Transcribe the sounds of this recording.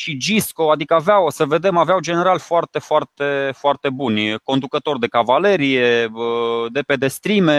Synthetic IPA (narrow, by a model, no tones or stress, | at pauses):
ʃid͡ʒisko̞ad̪ikəaveawsəve̞d̪e̞maveawd͡ʒe̞ne̞ɾalfoart̪e̞foart̪e̞foart̪e̞bunʲko̞nd̪ukət̪o̞rd̪e̞kavale̞ɾijeəd̪e̞pe̞d̪e̞st̪ɾime̞